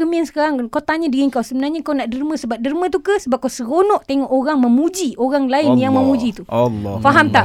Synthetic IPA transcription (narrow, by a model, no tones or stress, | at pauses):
əmiansə̥kaɾaŋkat̪aɲadəɣiŋkawsəbənarɲakawnaʔdərmə̃səbap̚dərmə̃t̪̬ukasəbap̚kawsəɣonɔʔt̪eŋɔʔoɾaŋməmũd͡ʒioɾaŋlaɪnjaŋmə̃mũd͡ʒit̪uɔlfaɦamt̪aʔ